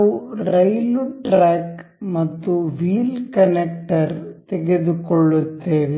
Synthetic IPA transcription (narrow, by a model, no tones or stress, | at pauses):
uɾɐjluʈɾaːkmɐt̪ːuʋiːlkɐnek̚ʈɐɾt̪ɛɡeðukɔɭːut̪ːeːʋe